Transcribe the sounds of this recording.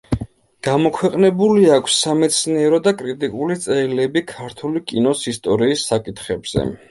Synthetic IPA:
ɡ̥amɔkʰwɛqʼnɛbuliakʷʰsːamɛt̪sʰniɛɾɔd̪akʼɾit̪ʼikʼulit̪sʼɛlɛbikʰaɾt̪ʰulikʼinɔsist̪ʼɔɾiːsːakʼit̪ʰχɛbz̥ɛ̰

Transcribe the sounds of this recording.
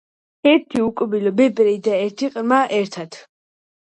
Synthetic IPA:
ɛɾt̪ʰiukʼbilɔbɛpʼɾɛd̪aɛɾt̪ʰiqʼɾmaʔɛɾt̪ʰat̪ʰ

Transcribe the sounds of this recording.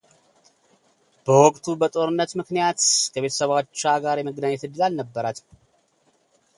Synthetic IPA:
b̥əwɔkʼt̪ʰubət̪ʼo̞ɾɨnːət̪mɨknijat̪kʰəβe̞t̪ʰə̥səβat͡ʃːaɡaɾjɛməɡnaɲːɛt̪ɨd̪ːɨlalnəbːəɾat̪

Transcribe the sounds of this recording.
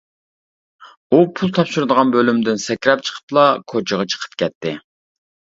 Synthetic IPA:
upʰulˠt̪ʰɑpʃuɾɨd̪əʁɑnbølymd̪ɪnsɛkʲɾɛp̚t͡ʃʰə̥qʰə̥plˠɑkʰot͡ʃʰəʁɑt͡ʃʰə̥qʰə̥p̚kʲʰɛt̪ʰːɪ

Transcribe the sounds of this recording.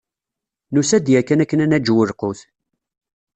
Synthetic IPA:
nusæd̪jækːənækːənænæd͡ʒwəɾqʊθ

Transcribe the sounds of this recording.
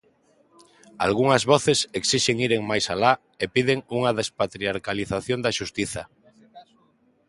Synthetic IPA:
a̰lɣ̞uŋazβɔθeseksiʃeŋiɾeŋmajsala | epiðeŋuŋaðespat̪ɾiaɾkaliθaθjõnd̪aʃust̪iθa

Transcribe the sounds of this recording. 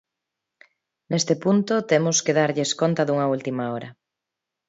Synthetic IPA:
nest̪epunt̪ot̪emoskeðaɾʎeskont̪ɐðuŋɐult̪imaɔɾɐ

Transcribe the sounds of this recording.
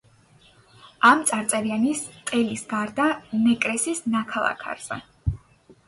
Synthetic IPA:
amt̪sʼaɾt̪sʼɛvianist̪ʼɛlisɡaɾd̪anɛkʼɾɛsisnakʰalˠa̰kʰa̰ɾz̥ɛ̰

